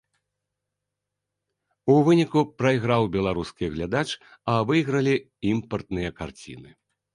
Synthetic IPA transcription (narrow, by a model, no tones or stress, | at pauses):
uvɨnʲikupɾɐjɣɾawbʲɛlˠaɾuskʲiɣlʲad̪at͡ʂɐvɨjɣɾɐlʲi | impɐrt̪nɨjɐka̰rt͡sʲḭnɨ